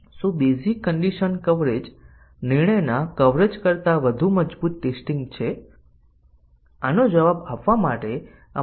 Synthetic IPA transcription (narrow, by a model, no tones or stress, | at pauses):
sũbezikəɳɖiʃənkəʋɾed͡ʒ | nɪɾɳəjnakəʋɾed͡ʒkəɾt̪aʋəd̪ʱuməd͡ʒbut̪̚ːesʈĩŋɡt͡ʃʰe | anod͡ʒəʋabapʋamaʈe | a̰